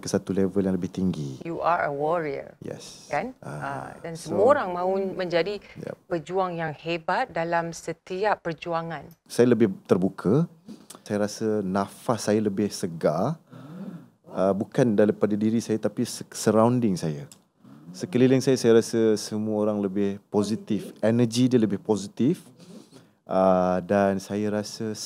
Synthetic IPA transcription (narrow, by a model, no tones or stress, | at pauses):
kəsat̪ulɛvəljaŋləbɪht̪iŋɡijuʔaɹə̰wɔɹiə̰jɛ̰skanə̰a̰dansəmuəoɾaŋmãumə̃ɲd͡ʒadija̰pəd͡ʒuaŋjaŋhebat̪̚dalamsət̪iapːərd͡ʒuaŋãnsajaləbɪht̪ərbukʰəsajaɾasənafasːajaləbɪhsəɡa | əbukandalipadadiɾisajat̪apissəɾawndɪŋsaja | səkəliləŋsajasajaɾasəsəmuəoɾaŋləbɪhpozit̪ɪfɛnəd͡ʒidiələbɪhpozit̪ɪf | ʔədansajaɾasə